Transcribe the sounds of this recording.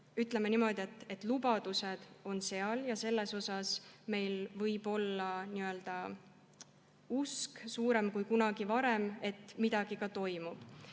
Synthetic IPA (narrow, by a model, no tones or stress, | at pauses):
yt̪ːˑle̞menimo̞d̪ʲie̞t̪ːˑe̞t̪ːˑlubɑd̪̥use̞d̪̥o̞nse̞ɑljɑse̞lːe̞so̞sɑsme̞jlvɤjb̥o̞lːɑniøe̞ld̪̥ɑ | usksuːɾe̞mkujkunɑɡ̥ivɑɾe̞me̞t̪ːmid̪̥ɑɡ̥ikɑt̪o̞jmub̥